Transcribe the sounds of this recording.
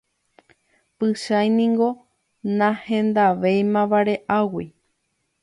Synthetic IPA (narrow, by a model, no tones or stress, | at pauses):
pɨʃajnĩŋɡo̞ | nãhẽ̞nd̪aʋejmãʋaɾe̞ʔawi